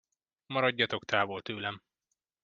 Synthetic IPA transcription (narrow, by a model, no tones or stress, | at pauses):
mɒɾɒɟːɒt̪o̞kt̪ʰaːvo̞lt̪øːlɛm